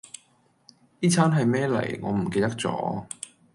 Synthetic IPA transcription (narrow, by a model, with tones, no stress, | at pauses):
iː˥t͡sʰaː˥nɦɐ˨jmɛː˥lɐ̰˨˩jŋɔː˨˧m̩˨˩ke˧jt̪ɐ˥k̚t͡sɔ̰ː˨˧˥